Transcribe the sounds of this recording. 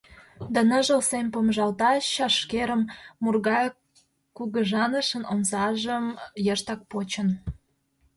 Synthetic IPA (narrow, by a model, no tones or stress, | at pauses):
d̪ɑnəʒəlsempomʒɑlt̪ɑʃɑʃkeɾəmːurɣɑ | kuɣəʒɑnəʃənonzɑʒəmjəʃt̪ɑk̚pot͡ɕən